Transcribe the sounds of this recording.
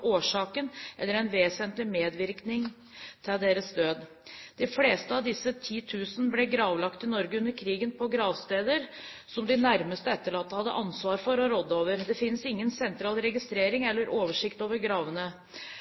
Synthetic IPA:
oːʂɑːkənʔɛlːəɾɛɪnʋeːsənt̪lɪmeːd̪ʋɪɾknɪŋ | t̪ʰɪld̪eːɾəsd̪øːd̪ | d̪̥ɪfleːst̪əɑʋd̪ɪsːət̪ʰiːt̪ʰʉːsənəblɛɡɾɑːʋlɑkt̪ɪnɔɾɡəʉnːəɾkʰɾiːɡənpʰɔɡɾɑːʋst̪eːd̪əɾ | sɔmd̪ɪnæɾməst̪əɛt̪ːəɭɑːt̪ːəhɑd̪ːə̰ʔɑnsʋɑːɾfɔɾɔɾɔd̪ːəoːʋəɾd̪ɛfɪnsɪŋːənsɛnt̪ɾɑːlɾɛɡɪst̪ɾeːɾɪŋɛlːəɾʔoːʋəʂɪkt̪oːʋəɾɡɾɑːʋənə

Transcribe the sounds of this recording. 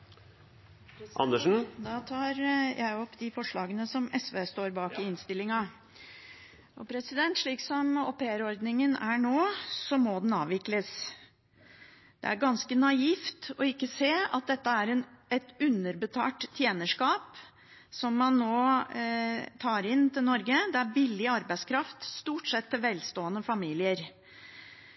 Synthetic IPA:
ʔɑ̰nəʂn̩d̪ɑːt̪ʰɑːɾjʔæɪɔpːd̪ɪfɔʂɭɑːɡənəsɔmɛsʋeːst̪oːɾbɑːkɪɪnst̪ɪlɪŋɑ | ʔɔpʰɾɛsɪd̪ɛnt̪ʂɭiːksɔmɔ̰peːəɾɔɾd̪nɪŋənæɳoːsɔmɔd̪ɛnɑːʋɪkləs | d̪̥ɛ̰æɾɡɑnskənɑiːft̪ɔɪkːəseːɑt̪̚d̪ɛt̪ːəæɾɛnɛt̪ʉnːəɾbət̪ʰɑ̰ːʈ̪ʰːjeːnəʂkɑːp | sɔmːɑnːoː | t̪ʰɑːɾɪnt̪ɪlnɔɾɡəd̪ɛæɾbɪlːɪɑɾbæɪskʰɾɑft̪st̪uːʈsɛt̪ʰːɪlʋɛlst̪oːənəfɑmiːlɪəɾ

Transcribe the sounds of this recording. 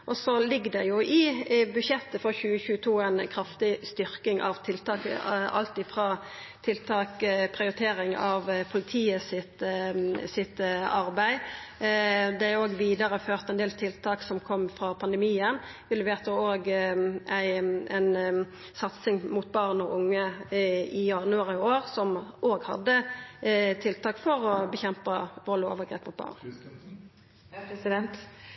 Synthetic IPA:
ʔɔsɔlɪɡːd̪ɛjʊʔɪbʉʃjɛt̪ːəfɔɾçʉːəçʉːət̪ʰuːæɪnkʰɾɑft̪ɪst̪ʏɾkɪŋʔɑ̰ʋt̪ʰɪlt̪ʰɑːkɑ̰lt̪ɪfʁɑː | t̪ʰɪlt̪ʰɑːkpʰʁɪʊɾɪt̪ʰeːɾɪŋɑʋpʰʊlɪt̪ʰiːəsɪt̪ | sɪt̪ɑɾbæɪ | d̪ɛoːɡʋiːd̪ɑɾəføːʁt̪ɛnd̪eːlt̪ʰɪlt̪ʰɑːksɔmkʰɔmːfɾɑpʰɑnd̪əmiːən | ʋɪlːəʋeːʁt̪əoːɡæɪn | sɑt̪sɪŋmʊt̪̚bɑʁnɔʔʊŋːə | ɪjɑnʉɑʁɪoːʁsɔmoːɡhɑ̰d̪ːə | t̪ʰɪlt̪ʰɑːkfɔɾɔbəçɛmpɑʋɔlo̰ːʋəʁɡʁeːpmʊt̪̚bɑ̰ːʁn | t̪

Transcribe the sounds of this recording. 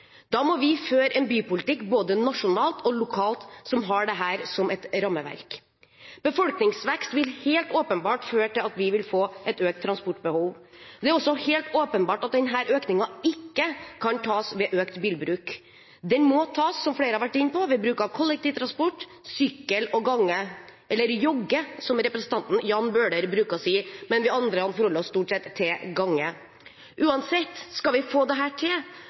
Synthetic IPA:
d̪̥ɑːmɔʋɪføːɾɛnbyːpʊlɪt̪ɪkːboːd̪ənɑʂʊnɑːlt̪ɔlʊkʰɑːlt̪sɔmɦɑɖɛɦæːɾsɔmʔɛt̪ɾɑmːəʋæ̰ɾk | b̥əfɔlknɪŋsʋɛkst̪ʋɪlheːlt̪oːpənbɑːʈføːʈɪlɑt̪ʋɪʋɪlfoːʔɛt̪øːk̚t̪ʰːɾɑnspɔʈːbəhuːʋd̪ɛæɾɔsːɔheːlt̪oːpənbɑːʈɑt̪̚d̪ɛnɦæːɾʔøːknɪŋɑɪkːəkʰɑnt̪ʰɑːsʋɛʔøːkt̪biːlbɾʉːk | d̪ɛnmɔt̪ʰɑːsːɔmfɽeːɾəhɑɾʋæʈːɪnːpɔʋɪbɾʉːkɑʋkʰɔlːɛkt̪ɪːʋt̪ɾɑnspɔʈː | sʏkːəlɔɡɑŋːəʔɛlːəɾjɔɡːəsɔmɾɛpɾəsən̩t̪ɑnt̪n̩jɑːnbøːɖəɾbɾʉːkəɾɔsiːmɛnʋɪɑnd̪ɾəkɑnfɔɾhɔlːəɾɔsːt̪uːʈsɛt̪ʰːeɡɑŋːə | ʔʉːɑnsɛt̪ːskɑlʋɪfoːd̪ɛɦæːʈʰɪl

